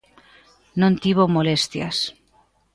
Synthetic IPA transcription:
nõnt̪iβomolest̪ja̰s

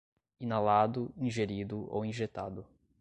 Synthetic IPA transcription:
inalad̪ʊĩʒeɾid̪ʊo̰wĩʒet̪a̰d̪ʊ

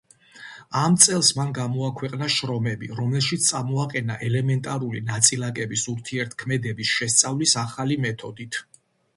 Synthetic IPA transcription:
amt̪sʼɛlˠsmanɡamɔakʰwɛqʼnaʃɾɔmɛbiɾɔmlɛlʃit̪st̪sʼamɔaqʼɛnaʔɛlɛmɛnt̪ʼaɾulinat̪sʼilakʼɛbisuɾt̪ʰiɛɾt̪ʰkʰmɛd̪ɛbisʃɛst̪sʼavlisaχalimɛt̪ʰɔd̪it̪ʰ

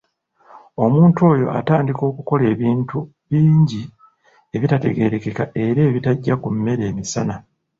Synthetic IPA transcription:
o̞muːntwo̞ːjo̞̰ʔa̰taːndiko̞ːkuko̞le̞ːβiːntu | βiːɲɟi | e̞βitate̞̰ɡe̞ɾe̞ke̞kaʔe̞ɾe̞ːβitaɟːakumːe̞ɾe̞ːmisana

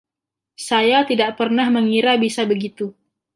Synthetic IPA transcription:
sajat̪idaʔpərnahməŋiɾabisabəɡit̪u

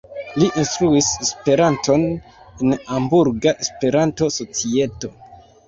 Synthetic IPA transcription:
liʔinstɾuisespe̞ɾanto̞n | enambuɾɡaʔespe̞ɾanto̞so̞t͡sie̞to̞

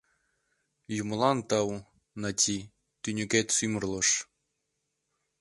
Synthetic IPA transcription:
jum̆lˠɑnt̪ɑw | nɑtʲʰi | t̪ynʲɘ̆ɡʲet̪ʲsymrlˠɤ̆ʂ

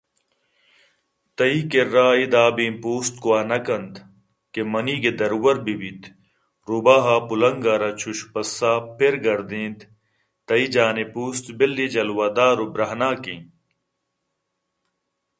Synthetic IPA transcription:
t̪ɐikeɾaːid̪aːbĩːpuːst̪kuaːnɐkɐnd̪ | kemɐniːɡed̪ɐɾwɐɾbiwit̪ | ɾubaːɦaːpulɐŋɡaːɾat͡ɕʰuɕpɐsːaːpʰeɾɡɐɾd̪ĩːnd̪ | t̪ɐid͡ʑaːnepuːst̪belːid͡ʑɐlwaːd̪aːɾubɾɐɦnaːkĩː

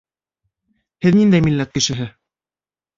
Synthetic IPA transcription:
hɘðnind̪æjmilːæt̪̚kɘ̆ʃɘ̆ɦɘ

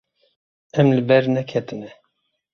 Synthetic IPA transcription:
ɛmlɨbɛɾnɛkʰɛt̪ɨnɛ

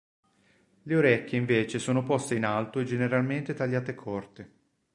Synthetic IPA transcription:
leoɾɛkʲːeiɱveːt͡ʃesoːnopɔst̪einalt̪oed͡ʒeneɾalment̪et̪aʎːaːt̪ekʰːɔrt̪e

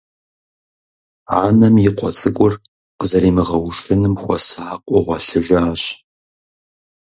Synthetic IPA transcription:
a̰ːnɐmjɪqʷʼɔt͡sʼɨɡʷʼʊr | qəzɐɾiːmɨʁɐwʂɨnɨmxʷɔ̰saːqʷʼɔʁʷɔɬɨʒʷaaːɕ

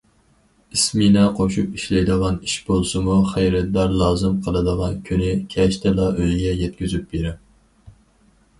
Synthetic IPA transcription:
isminɛqʰoʃupiʃlɛjd̪əʁɑniʃbolˠsɨmuχejɾɛt̪̚d̪ɑɾlˠɑːzɨmqʰəlˠɨd̪əʁɑnkʲʰynɪkʲʰɛʃt̪ʰɛlˠɑʔøjɡʲɛjɛt̪̚kʲyzyp̚beɾɪ

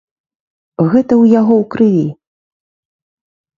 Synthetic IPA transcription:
ɣɛt̪ɐwjaɣɔwkɾɨlʲi

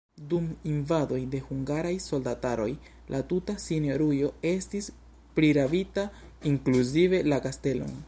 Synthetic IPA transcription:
duminvado̞jde̞huŋɡaɾajso̞ldataɾo̞j | lʔatutasinio̞ɾujo̞e̞stis | pɾiɾavitaiŋkluzive̞lakaste̞lo̞̰n

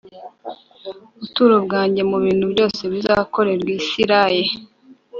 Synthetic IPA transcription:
uβutuːɾobɡaːɲɟe̞muβiːn̥huβjo̞ːse̞βizaːako̞ɾe̞ɾɡwiːsiɾaje

